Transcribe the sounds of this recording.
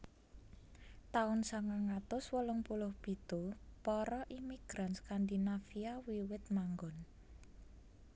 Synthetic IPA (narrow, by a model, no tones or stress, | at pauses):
t̪aʊnsaŋaŋat̪ʊswɔlʊŋpulʊhb̥i̤t̪opɔɾɔʔimiɡ̥ɾanskand̪inafiawiwɪt̪̚maŋɡɔn